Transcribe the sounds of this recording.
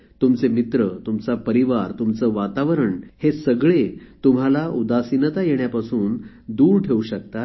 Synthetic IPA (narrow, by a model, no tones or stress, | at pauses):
t̪umt͡semit̪ɾət̪umt͡sapəɾiʋaɾt̪umt͡səːʋat̪aʋəɾəɳhesəɡɭet̪um̤alaʔud̪asinət̪ajeɳjapasuːn | d̪uːɾʈʰeuɕəkt̪a